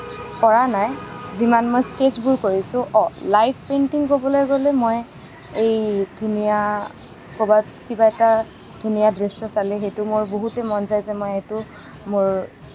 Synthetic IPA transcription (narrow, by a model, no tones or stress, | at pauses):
kɔɹanajzimanmojsked͡ʒbuɹkoɹisʊ̃ʔɔlajpʰpentiŋkobɔlojɡolɛmoj | ejdʱunija | kobatkibaɛta | d̥ʱunijadɹesɔsalɛxejtʊmʊɹboɦutɛmɔnzajzɛmojɛtʊ | mʊɹ